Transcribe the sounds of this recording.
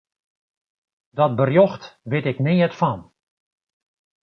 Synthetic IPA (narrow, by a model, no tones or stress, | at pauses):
dɔt̚bərjɔxtʋɪtɪkneːətfɔn